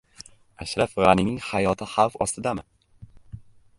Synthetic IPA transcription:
aʃɾafʁaninɪŋhajɒt̪ʰɪhalˠfɒ̰st̪ɪd̪amɪ

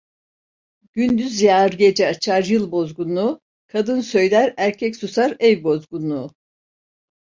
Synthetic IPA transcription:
ɟ̥ynd̪yzjaːɾɟed͡ʒɛat͡ʃʰaɾjɯlˠbo̞zɡunu | kʰad̪ɯnsø̞jlʲæɾæɾcʰɛcsusaɾɛvbo̞zɡunu

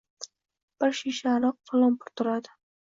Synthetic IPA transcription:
b̥ɪɾʃiʃaɾɑq̚fʰalˠɒmpʰʊɾt̪ʰʊɾad̪ɪ

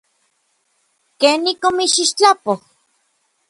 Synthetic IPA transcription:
keːnikomiʃiʃt͡ɬapoh

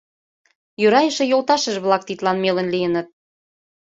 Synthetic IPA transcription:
jøɾɑjə̆ʃĕjolt̪ɑʃə̆ʃβlɑk̚t̪it̪lɑnmelə̆nlijənə̆t̪̚

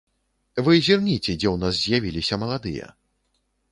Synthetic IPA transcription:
vɨzʲirnʲit͡sʲɛd͡zʲɛwnas̬zʲjavʲilʲisʲɐmɐlˠad̪ɨ̰jɐ̰

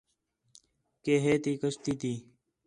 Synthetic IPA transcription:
keːɦeːt̪iːkəɕt̪it̪iː

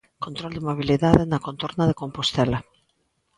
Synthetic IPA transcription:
kont̪ɾold̪emoβ̞iliðaðenakont̪oɾnaðekompost̪ɛla

